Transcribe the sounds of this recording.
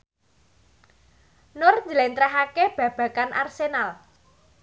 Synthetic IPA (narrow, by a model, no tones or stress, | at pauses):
nʊrɲd͡ʒəlent̪ɾaɦakeb̥ä̤b̥ä̤kanʔa̰rsenal